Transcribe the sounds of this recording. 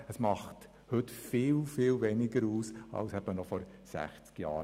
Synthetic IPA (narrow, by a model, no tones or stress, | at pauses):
əsmɑχt | hɵtfɪːlfɪːlvɛnɪɡəɾuːsɑ̰lsɛb̥ənɔfɔɾ | sæ̰χt͡skjɑ̰ː